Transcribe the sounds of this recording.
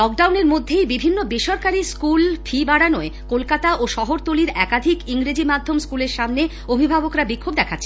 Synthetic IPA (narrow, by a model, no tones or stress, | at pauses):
lɔk̚ɖawneɾmod̪ʱːejbibʱinːobeʃɔɾkaɾiskulfʰibaɽanoekolkat̪aʔoʃɔɦoɾt̪oliɾɛkad̪ʱikiŋɾed͡ʑimad̪ʱːomskuleɾʃamne | obʱibʱabokɾabikʰːobd̪ɛkʰatːɕʰe